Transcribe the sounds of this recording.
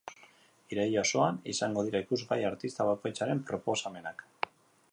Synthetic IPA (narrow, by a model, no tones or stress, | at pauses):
iɾejoso̞anḭsaŋɡo̞ð̞iɾaikuzɣajaɾt̪ist̪aβako̞jt͡saɾe̞mpɾo̞po̞same̞nak